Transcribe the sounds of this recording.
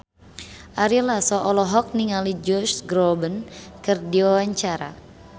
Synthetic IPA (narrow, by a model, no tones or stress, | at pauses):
ʔaɾilasɔʔɔlɔɦɔk̚niŋalid͡ʒɔsɡɾɔbənkɨrdiwawaɲt͡ʃaɾa̰